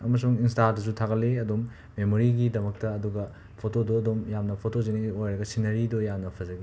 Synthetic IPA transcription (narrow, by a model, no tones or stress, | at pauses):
ɐmɐs̬uŋinstadɐsutʰaɡɐleɐdomː | emoɾiɡidɐmɐk̚tɐɐduɡɐ | pʰotodoɐdomjamnɐpʰotozeniɡiojɾɐɡɐsinɐɾidojamnɐpʰɐzɐɡi